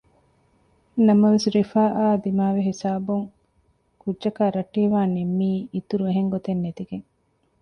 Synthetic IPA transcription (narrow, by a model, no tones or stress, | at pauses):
nɐmɐʋesɾifaːʔaːd̪imaːʋeɦisaːbuŋ | kudʒɐkaːɾɐʈːiːʋaːnemːiːit̪uɾueɦeŋɡot̪enːet̪iɡeŋ